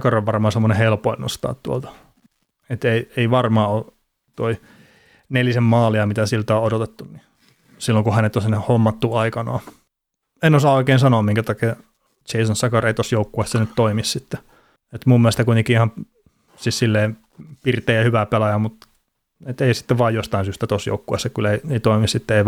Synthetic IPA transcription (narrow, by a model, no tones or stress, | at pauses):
kɑroʋʋɑrmɑːsemːonehelpoenːo̰st̪ɑ̰ːt̪t̪uolt̪ɑ̥ | et̪eieiʋɑrmɑːo | t̪oi | nelisemmɑːliɑmit̪æsilt̪æoodot̪et̪ːunni | silːoŋkuhænet̪ːosinːehomːɑt̪ːuɑikɑnɑː | enosɑoikeːnsɑnoːmmiŋkæt̪ɑke | t͡ʃeisonsɑkɑreit̪osjoukːuessenyt̪t̪oimissit̪ːe | et̪mumːielest̪kuit̪eŋkiihɑm | sissilːeːm | pirt̪ˑeːjɑhyʋæpelɑjɑmut̪ | et̪eisi̥t̪ːeʋɑːjjost̪ɑinsyst̪æt̪osjo̰ukːuesːekyleieit̪oimissit̪ːeei